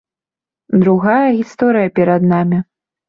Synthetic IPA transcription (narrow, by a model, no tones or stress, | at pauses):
d̪ɾuɣajɐɣʲist̪ɔɾɨjɐpʲɛɾɐd̪namʲi